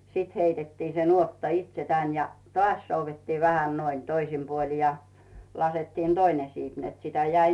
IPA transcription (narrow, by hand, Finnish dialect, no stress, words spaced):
siːt heitetːiː se nuotːɑ itse tæn jɑ tŏɑˑs souʋetːiːʋ ʋæhæn noin toisim puoli jɑ lɑsetːiːn d̥oine siːp net sitæ jæi